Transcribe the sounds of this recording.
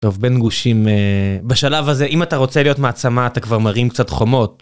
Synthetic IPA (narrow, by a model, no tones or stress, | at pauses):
to̞vbenɡuʃimebeʃalavazeʔimataʁo̞t͡selijo̞tmeat͡samaːt̪akvaʁmaʁimkt͡satχo̞mo̞t̚